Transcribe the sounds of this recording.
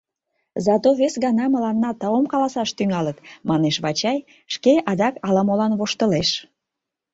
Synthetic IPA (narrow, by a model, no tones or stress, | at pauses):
zɑt̪oβesɣɑnɑməlɑnːɑt̪ɑomkɑlɑsɑʃt̪yŋɑlət̪mɑneʃβɑt͡ɕɑj | ʃkeʔɑd̪ɑkɑlɑmolɑnβoʃt̪əleʃ